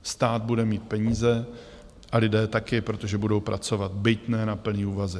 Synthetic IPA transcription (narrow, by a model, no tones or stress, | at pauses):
st̪aːd̪̚budɛmiːt̪̚pɛɲiːzɛ | ʔalɪdɛːt̪akɪpɾot̪o̞ʒɛbudo̞wpɾʔa̰t͡so̞vat̪bɪt̪nɛnapl̩niːuːvazɪ